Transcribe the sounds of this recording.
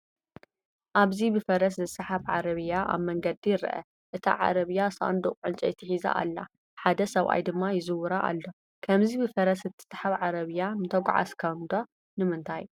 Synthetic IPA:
ʔaβzibɨfɐɾɐszɨsɐħaβʕaɾɐβɨjaʔa̰βmɐŋɡɐd̪ijɪɾʔɐ̰ | ʔɨt̪ʰa̰ʕa̰ɾɐβɨjasa̰nd̪ukʼʕɨnt͡ʃʼɐjt̪ʰɐħiza̰ʔa̰lːa̰ | ħad̪ɐsɐβʔa̰jd̪ɨmːajɪzɨwʊɾaʔa̰lːo̞ | kʰɐmzibɨfɐɾɐsɨt̪ʰːɨ̥sḁħaβʕaɾɐβɨjanɨt̪ʰɐɡ̰ʷʼʕa̰skʰɐwnd̪o | nɨmɨnt̪ʰaj

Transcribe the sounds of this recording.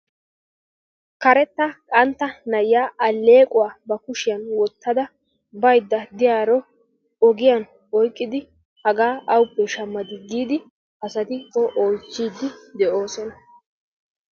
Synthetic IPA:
kɐɾɛt̪ːɐkʼɐnt̪ːɐnɐjjaːʔɐlːe̞ːkʼʊwaːbɐkʊʃɪjɐnwɔt̪ːɐd̪ɐ | bɐjd̪ːɐd̪ɪjaːɾɔ | ɔɡɪjɐn | ɔjkʼːɪd̪ɪ | hɐɡaːʔɐwʊpːɛʃɐmːɐd̪ɪɡːiːd̪ɪ | ɐsɐt̪ɪkːɔʔɔjt͡ʃːiːd̪ːɪd̪ɛʔo̞ːsɔnɐ

